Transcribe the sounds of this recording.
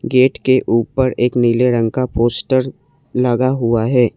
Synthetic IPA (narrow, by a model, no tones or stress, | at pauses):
ɡeːʈkeʔuːpəɾeːkniːleɾə̃ŋkapoːsʈəɾ | lɐɡaɦuaɦɛː